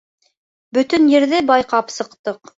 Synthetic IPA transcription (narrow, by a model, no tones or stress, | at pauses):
bɵ̆t̪ɵnjɘ̆ɾðɘbɑjqɑpsɤ̆qt̪ɤq